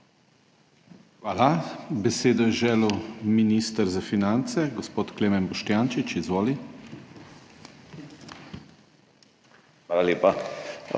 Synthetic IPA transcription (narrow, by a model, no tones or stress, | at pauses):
xʋaːlabɛseːd̪ɔjɛʒɛːluminist̪əɾzafinant̪sɛɡɔspoːt̪kleːmɛnbɔʃt̪jaːnt͡ʃit͡ʃizʋoːli | xʋaːlaleːpa